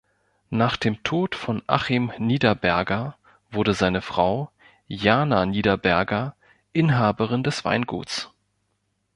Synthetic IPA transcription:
naːχd̥eːmtʰoːtfɔnʔa̰χɪmniːdɐbɛɐɡɐ | v̥ʊɐdəzaɪnəfʁ̥aʊ | jaːnaniːdɐbɛɐɡɐ | ʔɪnɦaːbəʁɪndɛsv̥a̰ɪnɡṵːt͡s

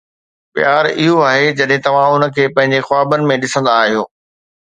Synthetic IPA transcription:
pjaːɾɪɦoaːɦed͡ʑɐɗɦɪ̃t̪ɐʋ̤ãʊnə̆kʰeːpɐ̃ɦɪ̃ɲd͡ʑexʊaːbənɪ̆mẽɗɪsə̃nd̪aːɦijoː

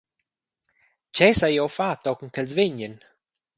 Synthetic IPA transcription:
t͡ʃɛsajɔwfat̪ɔkŋ̩kɛlzvɪɲən

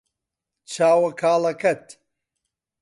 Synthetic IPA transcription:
t͡ʃʰaːwɐkʰaːlɐkʰɐt̪

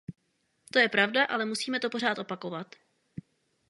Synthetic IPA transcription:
t̪o̞jɛpɾavdaʔalɛmusiːmɛt̪o̞po̞ɾaːt̪ʔo̞pako̞vat̪

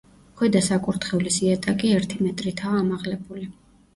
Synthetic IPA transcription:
χwɛd̪asakʼuɾt̪χɛvlisiat̪ʼakʼiɛɾt̪ʰimɛt̪ʼɾit̪ʰaːmaʁlɛbuli

